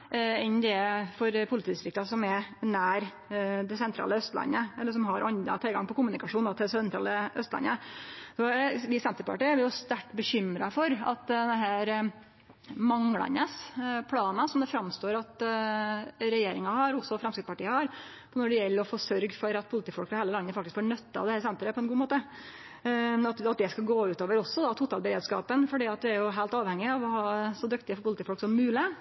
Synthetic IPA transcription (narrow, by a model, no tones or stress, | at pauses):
ɛnːd̪ɛfɔɾpʰʊlɪt̪ʰiːd̪ɪst̪ɾɪk̚t̪ɑsɔmɛnæːɾ | d̪ɛsɛnt̪ʰɾɑ̰ːləœst̪lɑ̰nːəɛlːəʂ̬ɔmɦɑɾɑnə̰t̪ʰɪlɡɑ̰ŋpɔkʰʊmʉnɪkɑʂuːnd̪ɑt̪ʰɪɛsɛnʰɾɑ̰ːləœst̪lɑ̰nːəsɔʋɪsɛnt̪əɾpʰɑ̰ʈiːæʋɪjʊst̪æʈːbəçʏmɾɑfɔɾɑ̰t̪̚dd̪ɛɦæːɾ | mɑŋlɑ̰nəspʰlɑːnɑsɔmd̪ɛfɾɑmst̪oːɾɑt̪ | ɾɛjeːɾɪŋɑhɑɾɔsɔfɾɛmskɪt̪spɑʈiːəhɑɾʰ | ɔnɔɖɛjɛlːəɾɔfoːsœɾɡfɔɾɑt̪̚pʰʊlɪt̪iːfɔlkfɑheːləlɑnːəfɑkt̪ɪskfoːɳœt̪ːɑ̰ʋd̪ɛhæːɾsɛnt̪ɾəpʰɔɛnɡuːmoːt̪ə | ɑt̪ɑt̪̚d̪ɛskɑlɡoːʉːt̪oːʋəɾɔsːɔd̪ɑt̪ʰuːt̪ʰɑlbəɾeːd̪skɑ̰ːpənfɔɖiːɑt̪ʋ̪ɪæɾjʊɦæɪlt̪ɑːʋhɛŋːɪɑʋɔhɑːsɔd̪ʉkt̪ɪəfɔɾpʊlt̪iːfɔlksɔmːʉːlɪ